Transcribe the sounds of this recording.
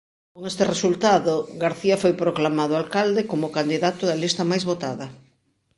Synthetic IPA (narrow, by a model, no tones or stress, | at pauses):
koŋest̪ɪresult̪aðoɡaɾθiɐfojpɾoklamaðoalkald̪ekomʊkand̪iðat̪ʊðɐlist̪ɐmajzβot̪aðɐ